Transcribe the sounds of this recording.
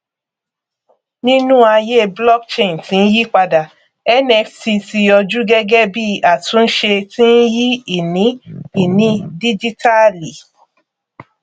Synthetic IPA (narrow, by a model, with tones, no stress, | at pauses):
nĩ˦nũ˦a˧je˦blɔ˦kt͡ʃe˦˨n˨tĩ˨˦n̩˦ji˦k͡pa˧da˨ | ɛ˦nɛ˧fti˧ti˧ɔ˧d͡ʒu˦ɡɛ˦ɡɛ˦bi˦a˨tũ˨˦n̩˦ʃe˧tĩ˦n̩˦ji˦i˨nĩ˨˦i˦˨nĩ˨˦di˦d͡ʒi˦ta˦li˨